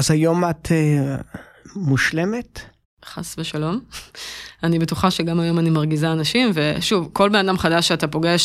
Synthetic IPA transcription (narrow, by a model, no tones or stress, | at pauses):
azajo̞matʰe | muʃlemet | χa̰sveʃalo̞m | anibetuχaʃeɡamajo̞manimaʁɡizaːnaʃimve̞ʃuvko̞lbe̞nadamχadaʃːeatapo̞ɡeʃ